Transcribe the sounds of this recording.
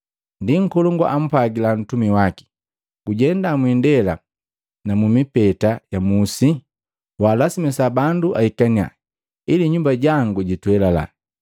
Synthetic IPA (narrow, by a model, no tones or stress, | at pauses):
ndiŋ̩kɔlɔŋɡwa̰ʔam̩paɡilan̩tumiwaki̥ | ɡuɟɛndamwindɛla̰ | namumipɛtajamusi | waːlasimɛsabanduʔaikania̰ | iliɲumbaɟaŋɡuɟitwɛlala̰